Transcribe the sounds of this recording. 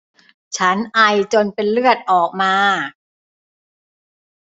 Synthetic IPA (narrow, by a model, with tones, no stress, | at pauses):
t͡ɕʰa˦˥nʔa˧jt͡ɕo˧npe˧nlɯ˥˩ət̪̚ʔɔː˨˩k̚maː˧